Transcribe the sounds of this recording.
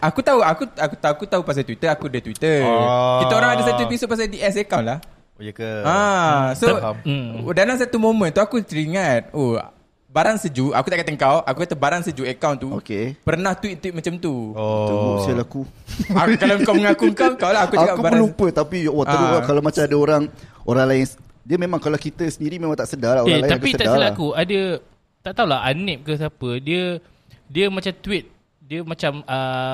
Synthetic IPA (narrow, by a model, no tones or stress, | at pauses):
akut̪auakuakut̪akut̪aupas̬at̪wit̪əakudət̪wit̪əkit̪aoɾaŋaasat̪uiuisupas̬adiʔɛs̬əkawnlah | kãso | danlaŋs̬at̪umomə̃nt̪uakut̪əɾiŋãt̪̚o | baɾaŋsəd͡ʒuʔa̰kut̪aʔkat̪aəŋkawakukat̪abaɾaŋsəd͡ʒuəkawnt̪uokepərnaht̪wit̪̚ːwit̪̚mat͡ʃamt̪uɔusalaku | kalakawməŋakuŋkakawlaakkuaakuəlupət̪apijwaəɾuwakalawmat͡ʃamadəoɾaŋoɾaŋlajɪns | diəmemãŋkalakit̪əsəndiɾimẽmãŋt̪aʔsədalaoealajɪankpisət̪aʔdasəlakuadə | t̪aʔt̪aula̰ɦanɛp̚kəs̬apədiə | diəmãt͡ʃamt̪wit̪̚ | diəmãt͡ʃamə